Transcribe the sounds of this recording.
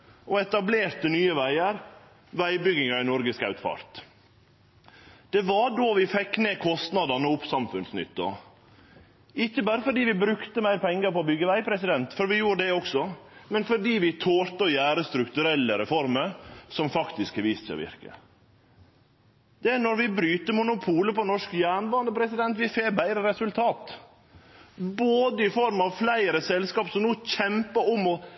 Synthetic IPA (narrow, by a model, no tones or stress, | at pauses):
ɔɛt̪ɑbleːɾt̪ənyːəʋæɪəɾ | ʋæɪbʏɡɪŋɑɪnɔɾɡəskɑʉt̪fɑ̰ɾt̪ | d̪̥ɛʋɑɖoːʋɪfɛkːneːkʰɔst̪nɑd̪ɑnəʊpsɑmfʉnsnʏ̰t̪ːɔ̰ | ɪçːəbæːɾəfɔɖiːʋɪbɾʉkt̪əmæɪɾpɛŋːəɾpɔːbʏɡːəʋæɪpʰɾɛsɪd̪ɛnt̪fɔɾʋɪjuːɾəd̪ɛɔksɔmɛnfɔɖiːʋɪt̪ʰoːɾt̪ɔjæːɾəst̪ɾʉkt̪ʉɾɛlːəɾɛ̰fɔɾməɾsɔmfɑkt̪ɪskhɛʋiːssɛ̰ɔ̰ʋɪ̰ɾkə̰ | d̪̥ɛænɔɾʋɪbɾyːt̪əmʊnʊpʰuːləpɔnɔʂkjæːɳbɑːnd̪əpʰɾɛsɪd̪ɛnt̪ʋɪfeːbæɪɾəɾɛsʉlt̪ʰɑːt̪ | boːd̪əɪfɔɾmɑʋflæɪɾəsɛlskɑːpsɔmnuːc͡çɛmpəɔmɔ